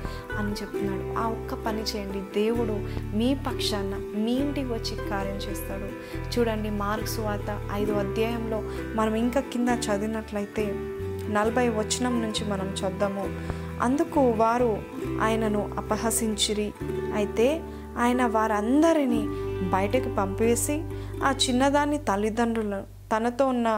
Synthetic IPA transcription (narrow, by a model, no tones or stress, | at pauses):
ɐnit͡ʃebut̪unːaːɽuaːɔkːɐpɐnit͡ʃɛːjɐɳɖid̪e̞ːwuɽumiːpɐkʂaːnːɐ | miːɳʈiʋɐt͡ʃːikaːɾjɐmt͡ʃɛːst̪aːɽu | t͡ʃuːɽɐɳɖimaːɾksuʋaːt̪ɐɐjd̪uɐd̪jaːjɐmlo̞ː | mɐnɐmiŋkaːkind̪ɐt͡ʃɐd̪inɐʈlɐjit̪e̞ː | nɐlɐbʱɐjʋɐt͡ʃːinɐmnuɲt͡ʃimɐnɐmt͡ʃɐd̪ːɐmu | ɐ̰nd̪ukuʋaːɾu | a̰ːjɐnɐnuʔɐ̰pɐɦɐsiɲt͡ʃiɾiɐjit̪e̞ː | aːjɐnɐʋaːɾɐnd̪ɐɾinibɐjʈɐkipɐmpeːsiaːt͡ʃinːɐd̪aːnːit̪ɐlːid̪ɐɳɖulɐ | t̪ɐnɐt̪o̞ːunːɐ